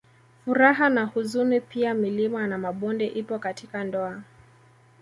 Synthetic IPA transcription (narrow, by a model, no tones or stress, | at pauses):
fuɾaɦanahuzunipiamilimanamaɓɔndɛʔipɔkatʰikandɔa